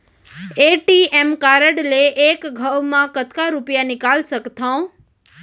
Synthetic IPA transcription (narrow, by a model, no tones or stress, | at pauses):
eʈiemkaɾəɽleʔekɡʱəwmãkət̪ʰkaɾupjanɪkalsəkt̪ʰaõ